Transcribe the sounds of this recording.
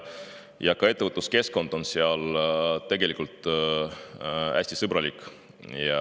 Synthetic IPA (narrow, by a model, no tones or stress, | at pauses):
jɑkɑe̞t̪ːˑevət̪luske̞sko̞nd̪̥o̞nseɑlt̪e̞ɡ̥e̞lʲikːult̪ːˑ | æ̰sʲt̪isɤbɾɑlikˑ | jɑ